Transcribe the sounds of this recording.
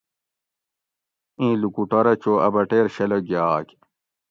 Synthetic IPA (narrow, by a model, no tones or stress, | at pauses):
ĩːlukuʈɐɾɐt͡ɕoːɐ̰bɐʈeːɾɕeloɡjaːk